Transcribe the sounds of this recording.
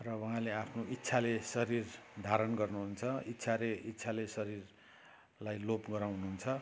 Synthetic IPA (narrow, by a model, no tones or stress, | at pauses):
rʌwʌɦãleapʰnoit̪ːsʰalesʌɾird̪ʱaɾʌnɡʌrnuɦunt͡sʰʌit̪ːsʰaɾeitːsʰalesʌɾir | lajlopɡʌɾaw̃ɦnuɦunt͡sʰʌ